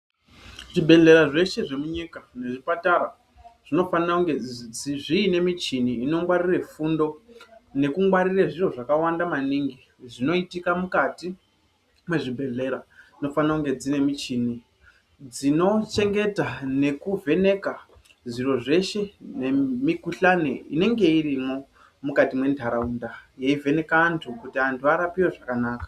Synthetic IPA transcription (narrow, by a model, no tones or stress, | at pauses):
ʐibʱe̞ɮe̞ɾaʐe̞ʃe̞ʐe̞muɲikane̞ʐipataɾa | ʐ̥ino̞fanauŋɡed͡ziʐiːne̞mit͡ʃiniːno̞ŋɡwarire̞fundo̞ne̞kuŋɡwaɾireʐiro̞ʐakawandamaniŋɡi | ʐino̞itikamukati | mwe̞ʐibʱe̞ɮe̞ɾaino̞fanakuŋɡe̞d͡zine̞mit͡ʃini | d͡zino̞t͡ʃe̞ŋɡe̞tane̞kuve̞ne̞ka | ʐiro̞ʐe̞ʃe̞nemikuɬanḛḭne̞ŋɡe̞irimo̞ | mukatimwe̞ndʱaɾaundajeive̞ne̞kaːntʰukutiantʰuaɾapiwe̞ʐakanaːkḁ